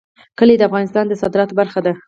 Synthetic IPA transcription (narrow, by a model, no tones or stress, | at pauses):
kəled̪əafɣɑnɪst̪ɑnd̪əsɑd̪ɪɾɑt̪obaɾxad̪a